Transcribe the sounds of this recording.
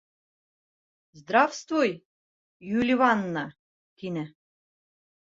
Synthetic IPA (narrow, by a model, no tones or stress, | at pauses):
zd̪ɾɑfst̪voj | julʲivɑnːɑ | t̪inɘ̆